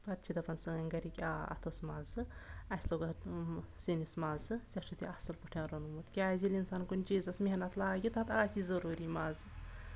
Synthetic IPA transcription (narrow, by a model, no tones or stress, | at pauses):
pɐt̪̚t͡ʃʰid̪ɐpɐnsɨŋɐnʲɡɐɾikʲa̰ːɐ̰t̪ʰosmaːzɨɐsʲloːɡɐt̪sinismaːzɨzʲɐʃʰut̪ʰiɐsɨlpuʈʰãɾonumut̪kʲaːzilʲinsaːnkunʲt͡ʃiːzɐsmeɦnɐt̪laːɡʲit̪ɐt̪aːsizɐɾuːɾimaːzɨ